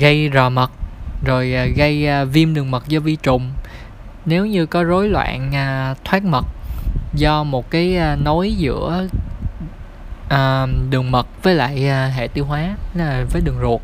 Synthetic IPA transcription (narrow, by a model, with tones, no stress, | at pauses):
ɣə˧jzɔ˨˩mə˨˩t̚zo˨˩jɣə˧jvi˧mɗɨ˨˩əŋmə˨˩t̚zɔ˧vi˧t͡ɕʊ˨˩ŋ͡m | ne˨˦wɲɨ˧kɔ˨˦zo˨˦jlwa̰ː˧˨naː˨˩t̪ʰwaː˦˥t̚mə˨˩t̚zɔ˧mo˨˩t̚kaː˨˦jno˨˦jzɨ̰˧˥ə | ʔəː˨˩ɗɨ˨˩əŋmə˨˩t̚vəː˨˦jla̰ː˧˨jːɦḛ˧˨t̪i˧wɦwaː˨˦˨vəː˨˦jɗɨ˨˩əŋzu˨˩ət̚